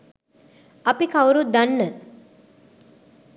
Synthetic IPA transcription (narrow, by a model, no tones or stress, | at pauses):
ɐpikawɾud̪anːə